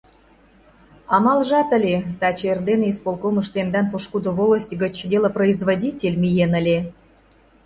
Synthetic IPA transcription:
ɑmɑlʒɑt̪ə̆lʲet̪ɑt͡ɕerd̪enispolˠkomə̆ʃt̪end̪ɑnpoʃkud̪ovolˠəsʲtʲɡə̆t͡ɕdʲelˠəproizvodʲitʲelʲmʲijenəlʲe

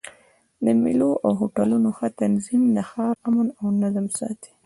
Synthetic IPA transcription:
d̪əmḭloʔawɦoʈalunoxat̪anzimd̪əxɑɾamanawnazamsɑ̰t̪i̥

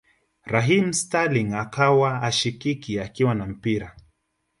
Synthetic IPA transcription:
ɾaɦimstaliŋakawaːʃikikiakiwanam̩piɾa

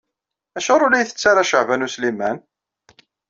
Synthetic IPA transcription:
æʃʊɾˤʊlːæjθə̥t͡sːaɾˤɑʃəʕvænuslimæn

